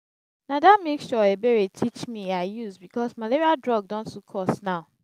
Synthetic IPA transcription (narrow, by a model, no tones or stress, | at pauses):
nadamekʃɔebeɹetʰit͡ʃmiaɪjusbikɔsmaleɹiadɹɔɡ̚dɔ̃nstukʰɔsnaʊ